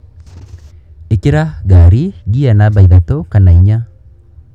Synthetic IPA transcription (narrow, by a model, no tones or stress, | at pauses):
ekeɾaɡaɾiɡianaβaiðatokanaiɲa